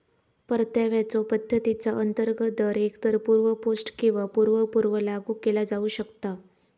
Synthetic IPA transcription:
pəɾt̪jaʋjat͡sɔpəd̪ʱːət̪it͡saʔənt̪əɾɡəd̪əɾekt̪əɾpuɾʋəposʈkĩw̃ʋapuɾʋəpuɾʋəlaɡuːkelad͡zauːɕəkt̪a

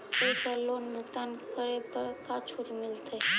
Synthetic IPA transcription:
ekəloːnːʊkt̪ankəɾepəɾkat͡ʃʰuɾimɪlt̪e

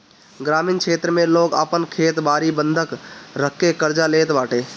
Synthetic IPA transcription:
ɡɾaːminkʰeːt̪ɾəmẽloːɡə̰pənkʰeːt̪baːɾibənd̪ʱəkɾəkːekəɾd͡ʒaleːt̪baːʈeː

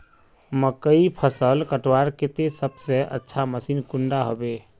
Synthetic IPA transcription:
məkəipʰəsəlkəʈwaɾket̪esəbsẽʔə̰tːʃʰaməsiːnkuɳɖaɦobe

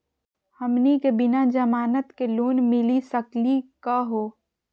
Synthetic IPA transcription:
həmnikebɪnad͡ʒəmaːnət̪keluːnmɪlisəklikaɦoː

